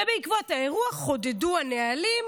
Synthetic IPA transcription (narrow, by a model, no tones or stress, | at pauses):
beikvothae̞ʁuaχo̞deduanealim